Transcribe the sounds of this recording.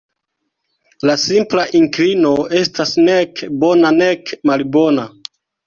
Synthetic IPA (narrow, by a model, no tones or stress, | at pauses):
lasimplaʔiŋklino̞e̞stasnekbo̞nane̞kmalbo̞na